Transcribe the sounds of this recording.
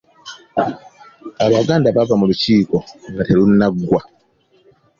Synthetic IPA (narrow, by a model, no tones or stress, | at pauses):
aβaɡandapapamulut͡ʃiːkɔŋɡatalunaɡwa